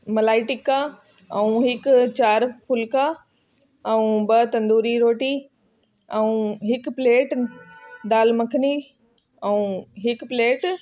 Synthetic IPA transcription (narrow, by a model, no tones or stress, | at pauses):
mɐlaːɪʈɪkːa | ɛũɦɪkt͡ɕaːɾfʰʊlka | ɛ̃ũbɐt̪ɐ̃nd̪uːɾiɾoːʈi | ɛ̃ũɦɪkpleːʈ | d̪aːlmɐkʰɪni | ɛũɦɪkpleːʈ